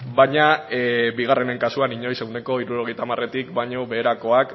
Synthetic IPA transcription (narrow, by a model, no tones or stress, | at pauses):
bajɲabiɣ̞are̞ne̞ŋkasuaniɲo̞jse̞wne̞ko̞iɾuɾo̞ɣ̞e̞jt̪amare̞t̪ikbaɲo̞βe̞ːɾako̞ak